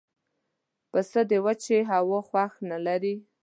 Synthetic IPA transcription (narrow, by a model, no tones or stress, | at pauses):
pəsəd̪ewat͡ʃeɦawoxwaxnalaɾi